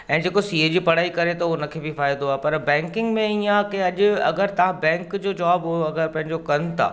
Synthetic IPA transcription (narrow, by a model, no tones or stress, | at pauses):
ɛ̃ːd͡ʑeːkosiːed͡ʑiːpɐɽ̤aːikɐɾet̪ɐonɐkʰebifaːɪd̪d̪oaːepɐɾbɛ̃ːŋkɪ̃ŋɡmẽijãkeɐʄʊɐ̰ɡəɾt̪ɐʋ̤ãbɛ̃ːŋkd͡ʑoːd͡ʑaːbʊeɐɡəɾpɐ̃ɦɪ̃ɲd͡ʑokɐɾənɪ̆t̪ʰa̰ː